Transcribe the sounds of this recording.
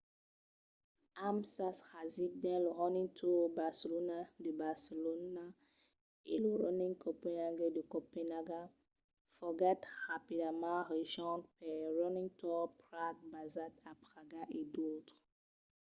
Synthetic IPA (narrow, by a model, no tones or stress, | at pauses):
amsashazidɛ̃loʁɔnĩŋtʰubaselonadəbaselona | ḛloɹɔnĩŋkopɛ̃naɡedəkɔpɛnaɡa | fɔɡɛtʁapidamãɾeʃɔ̃ntpɛɹɔnĩŋtʰɔpɾak̚bazatapʁaɡaʔedotχ